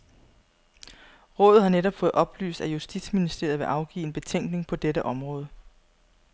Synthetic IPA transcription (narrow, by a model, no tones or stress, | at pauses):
ʁɔ̽ːðð̩ˠhɑ̈neɾɒ̽b̥fɔ̽ːð̩ˠʔɒ̽b̥ly̰ːsd̥æjusd̥id̥sminisd̥e̝ɐ̰ð̩ˠʋe̝ʔɑ̈ʊɡ̥ḭːe̝nb̥e̝t͡sʰeŋ̰ɡ̥ne̝ŋpʰɒ̽d̥eɾəʔɒ̽mʁɔ̽ːð̞ˠə